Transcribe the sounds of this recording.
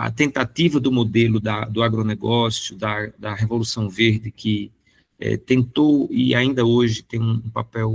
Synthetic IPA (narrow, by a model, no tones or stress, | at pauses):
ɐ̰t̪ẽnt̪at̪ivɐd̪ʊmod̪elʊd̪ɐd̪ʊaɡɾonɛɡɔsjʊd̪ɐd̪ɐɦevolusɐ̃w̃veɾd̪ɪkɪ | ɛ̰t̪ẽnt̪owɪaĩnd̪ɐoʒɪt̪ẽj̃ũũpapɛw